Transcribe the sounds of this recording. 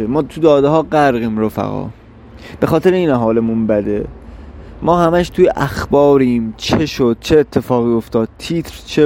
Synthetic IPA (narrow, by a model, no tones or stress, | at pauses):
emɒːt̪ʰud̪ɒːd̪eɦɒːɢæɾɣiːmɾofæ̰ɣɒ̰ː | b̥e̞xɒːt̪e̞ɾeiːnæɦɒːlemunbæd̪e | mɒːhæmæʃt̪ʰujeʔæxbɒːɾiːmt͡ʃʰeʃod̪̥̚t͡ʃʰe̞ːt̪ʰːe̞fɒːɣiːo̞ft̪ɒːd̪̥̚t̪ʰiːt̪ʰɾt͡ʃʰe